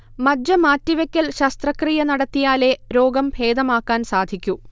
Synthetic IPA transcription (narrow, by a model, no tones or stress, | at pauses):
mɐd͡ʑːɐmaːtːiʋɐkʲːɐlɕɐst̪rɐkrijɐnɐɽɐt̪ːijaːle̞ɾo̞ːɡɐmpʰe̞ːd̪ɐmaːkːaːnsaːd̪ʱikʲːu